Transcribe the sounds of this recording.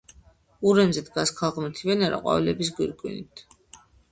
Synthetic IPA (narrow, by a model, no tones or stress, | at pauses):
uɾɛmzɛd̪ɡaskʰalˠʁmɛt̪ʰivɛnɛɾa̰qʼwa̰vilɛbis̬ɡwiɾkʼwinit̪ʰ